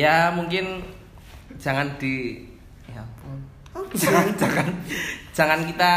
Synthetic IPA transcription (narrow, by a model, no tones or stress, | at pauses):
jamuŋkɪn̥ | d͡ʒ̥a̤ŋand̪̥i | jap | d͡ʒaand͡ʒaŋan̥d͡ʒ̥a̤ŋankit̪a